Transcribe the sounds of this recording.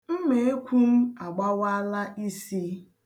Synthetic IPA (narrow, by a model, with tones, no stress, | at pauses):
m̩˦me˨e˦kʷʰu˦m̩˦a˨ɡ͡ba˦wa˦la˦ʔi˦si˦